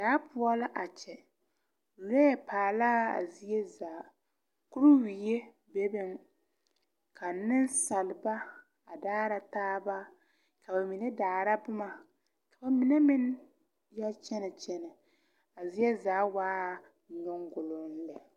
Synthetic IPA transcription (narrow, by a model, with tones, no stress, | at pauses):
daː˨˦pʊ˦ɔ˦la˦ʔa˨t͡ʃɛ˨ | lɛ˦jɛ˨paː˨laː˦a̰˨zi˦je˦zaː˨˦ | kʊ˦ɾu˦wi˨je˦ | be˦bɪ˦ŋ | kʰa˨nɪ˦n˦sa˨lba˦ | a˨daː˦ɾa˦taː˦ba˦ | ka˨ba˨mi˨ne˦daː˨ɾa˦bʊ˦ma˨ | ka˨ba˨mi˨ne˦mɪ˦n | ja˦t͡ʃɛ˦nɛ˨t͡ʃɛ˦nɛ˨ | a˨zi˦jɛ˦zaː˨˦waː˦˨ | nʊ˦ŋɡʊ˨lʊ˨n̩˦lɛ˨